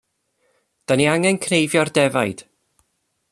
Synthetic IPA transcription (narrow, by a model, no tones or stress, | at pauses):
d̥aniaŋɛnkʰnejvjɔrdɛvajd̥